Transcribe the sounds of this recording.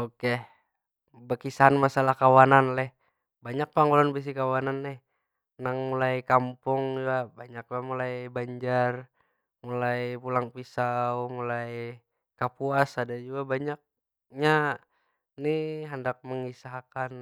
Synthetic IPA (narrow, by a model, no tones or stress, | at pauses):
oke | bəkisaɦanmasalahkawananlɛh | baɲak̚paŋɡulɔnbis̬ikawananlɛh | naŋmulajkampʊŋd͡ʒuabaɲak̚lamulajbaɲd͡ʒar | mulajpulaŋpisaumulaj | kapuasadad͡ʒuabaɲak̚ | ɲa | niɦəndak̚məŋisaɦakan